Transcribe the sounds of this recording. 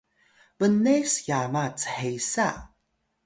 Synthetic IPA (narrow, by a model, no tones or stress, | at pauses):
vənesjamat͡sə̥ħesa